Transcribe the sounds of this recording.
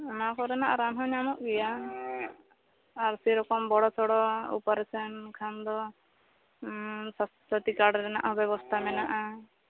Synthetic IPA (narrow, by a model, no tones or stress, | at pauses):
nakɔɾɛnaʔaɾanɦɔ̃ɲamɔʔɡɛja | ɾsiɾɔkɔmbɔɽɔt͡ʃʰɔɽɔṵpaɾɛsʰɛnkʰand̪ɔ | s | sɔt̪ikaɾɖɾɛna̰ʔɦɔbɛβɔst̪ʰamɛnaʔa